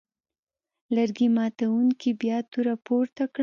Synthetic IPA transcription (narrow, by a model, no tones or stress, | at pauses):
laɾɡimɑt̪awuŋkibjɑt̪uɾapoɾt̪akɽ